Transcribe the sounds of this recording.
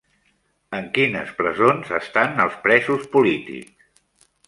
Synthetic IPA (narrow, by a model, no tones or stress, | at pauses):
əŋkinə̰spɾəzonzəst̪anəlˠspɾɛzuspulit̪ḭks